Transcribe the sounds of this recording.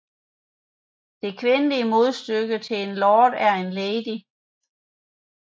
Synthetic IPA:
d̥e̝kʰʋe̝nəliəmo̝ð̞ˠsd̥øɡ̥ət͡sʰe̝e̝nlɒːd̥æɐe̝nleːd̥i

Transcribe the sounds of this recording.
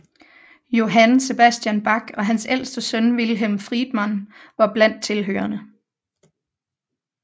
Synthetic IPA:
jo̝ɦænse̝b̥æsd̥ijænb̥ɑ̈ɡ̥ɒ̽ɦænsel̰sd̥əsœnʋilɦemfʁid̥mænʋɑ̈b̥læn̰d̥̚t͡sʰe̝lɦø̰ːɐnə

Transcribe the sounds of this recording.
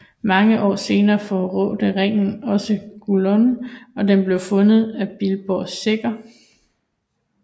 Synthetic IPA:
mɑ̈ŋəʔɒ̰ːse̝ːnɐːfɒʁɔ̽ːd̥əʁeŋ̰n̩ɒ̽səɡ̥ulonɒ̽d̥enb̥le̝ʊfɔ̽nð̞̩ˠæb̥ilb̥ɒːsːe̝ɡ̥ɐ

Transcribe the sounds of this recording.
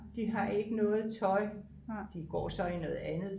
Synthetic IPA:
d̥iɦɑ̈e̝ɡ̥ənɔ̽ːð̩ˠt͡sʰɒ̽ɪ | d̥iɡ̥ɒ̰ːsɒ̽inɔ̽ːð̩ˠænð̩ˠ

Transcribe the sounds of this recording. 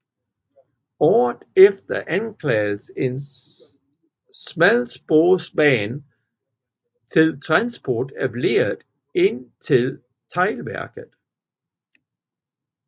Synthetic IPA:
ɒ̰ːð̩ˠefd̥ɐʔænkʰlɛːð̩səe̝n | smælsb̥oːsbɛːn | t͡sʰe̝lt͡sʰʁɑ̈nsb̥ɒːd̥æb̥le̝̰ːɐðˠ | e̝nt͡sʰe̝l | t͡sʰɑɪlʋæɐɡ̥ð̩ˠ

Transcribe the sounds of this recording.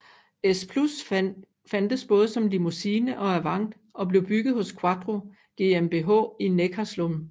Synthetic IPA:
espʰlus | fænd̥əsb̥ɔ̽ːð̞ˠəsɒ̽mlimusiːnəʔɒ̽æɐʋɑ̈ŋ̰d̥ | ʔɒ̽b̥le̝ʊb̥yɡ̥ð̩ˠhɔ̽skʰwɑ̈d̥ʁo̝ | ɡ̥e̝emb̥e̝ɦɔ̰̽ːinekʰæslom

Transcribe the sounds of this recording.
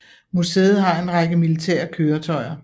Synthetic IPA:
museːð̩ˠɦɑ̈e̝nʁɑ̈ɡ̥əmilit͡sʰɛ̰ɐkʰøːɐt͡sʰɒ̽ɪɐ

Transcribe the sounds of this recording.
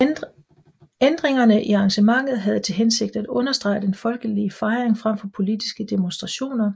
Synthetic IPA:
end̥ʁeŋɐnəʔiɑ̈ːŋɕəmɑ̈ŋ̰ð̞̩ˠɦæð̞ˠt͡sʰe̝lɦense̝ɡ̥̚d̥æd̥ɔ̽nɐsd̥ʁɑ̈ɪd̥enfɒ̽lɡ̥əliəfɑ̈ɪʁeŋfʁam̰fɒ̽pʰo̝lid̥isɡ̥əd̥emonsd̥ʁɑ̈ɕo̝̰ːnɐ

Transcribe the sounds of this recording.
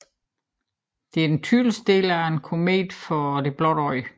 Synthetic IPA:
d̥e̝æɐent͡sʰylsd̥e̝̰ːlæenkʰo̝mḛːd̥fɒd̥e̝b̥lɒd̥ɒɪ

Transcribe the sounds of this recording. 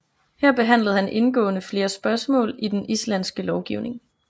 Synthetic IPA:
hæɐ̰b̥e̝ɦæn̰ləð̞̩ˠhænʔe̝nɡ̥ɔ̰̽ːnəfle̝ːɐsb̥ɶɐsmɔ̰̽ːlid̥enislænsɡ̥əlɒʊɡ̥iʊne̝ŋ

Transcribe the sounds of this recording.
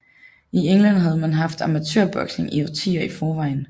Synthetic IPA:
ieŋlæn̰ɦæð̞ˠmænɦɑ̈fd̥ɑ̈mæt͡sʰø̰ɐ̰b̥ɒ̽ɡ̥sne̝ŋiot͡sʰḭːɐifɒːʋɑ̈ɪn̩

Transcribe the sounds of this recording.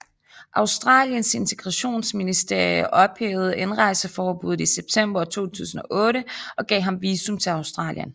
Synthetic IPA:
ʔɑ̈ʊsd̥ʁɑ̰̈ːljənse̝nt͡sʰe̝ɡ̥ʁɑɕo̝̰ːnsminisd̥e̝ɐjɐʔɒ̽b̥heːʊð̞̩ˠenʁɑ̈ɪ̰səfɒːb̥uð̞̩ˠiseb̥̚t͡sʰem̰b̥ɐt͡sʰo̝̰ːt͡sʰṵːs̬n̩ɒ̽ʔɔ̽ːɾəɒ̽ɡ̥ɛ̰ːɦɑ̈mʋiːsumt͡sʰe̝lɑ̈ʊsd̥ʁɑ̰̈ːljən

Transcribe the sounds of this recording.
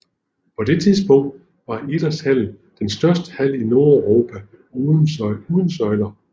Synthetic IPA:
pʰɒ̽d̥e̝t͡sʰiðˠsb̥ɔ̽ŋ̰̥ | ʋɑ̈ed̥ɐshæl̰ | d̥ensd̥ɶɐsd̥ə̥hæl̰ino̝ɐøʁo̝ːpʰæ | uːðˠən̩sɒ̽ɪlɐ

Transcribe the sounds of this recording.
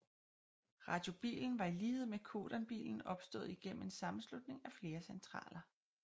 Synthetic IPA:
ʁɑ̈d̥jo̝b̥ḭːln̩ʋɑ̈iliːð̞̩ˠmekʰo̝̰ːd̥ɐnb̥ḭːln̩ɒ̽b̥sd̥ɔ̰̽ːð̞̩ˠiɡ̥en̰m̩e̝nsɑ̈mn̩slud̥̚ne̝ŋæfle̝ːɐsent͡sʰʁɑ̰̈ːlʔɐ

